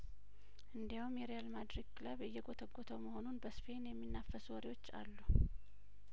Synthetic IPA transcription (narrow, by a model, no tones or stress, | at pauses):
ʔɨnd̪ijawumjɛɾejalmad̪ɾiɡkɨləβɨjːɛɡot̪ʰəɡːot̪ʰəwməho̞nunbəsfe̞njɛmːinːafəswɔɾiwo̞t͡ʃːa̰lːu